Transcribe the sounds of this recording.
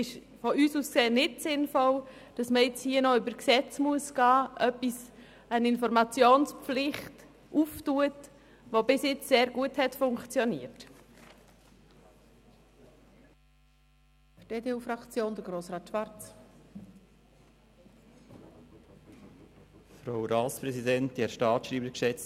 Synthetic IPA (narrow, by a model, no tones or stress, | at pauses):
ɪʃ | fɔʔyːsuːskseːnɪtsɪnfɔld̥ɑsməɪt͡shiːənɔʏbəɾksɛt͡smuəsɡ̥ɑːʔœpis | ənɪnfɔɾmɑt͡sjoːnsp͡flɪχt | ʔuftuət | ʋobɪsjɪt͡sseːɾɡuəthɛtfʊŋkt͡sjɔniət | d̥eːdeuːfɾɑkt͡sjoːnd̥̪əɾɡɾoːsɾɑːt̪ʃʋɑɾtt͡s | fɾaʊɾɑːspɾɛsidɛnt̚dɛɾʃtɑːtʃɾiːbəɾkʃɛt͡s